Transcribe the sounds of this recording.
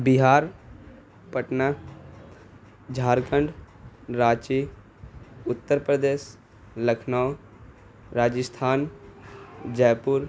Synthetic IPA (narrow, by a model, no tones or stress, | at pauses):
bɪɦaːɾ | pəʈna | d͡ʒʱaːɾkəɳɖ | ɾaːt͡ʃi | ʊt̪ːəɾpɾəd̪eːs | ləkʰnao | ɾaːd͡ʒəst̪ʰaːn | d͡ʒɛːpʊɾ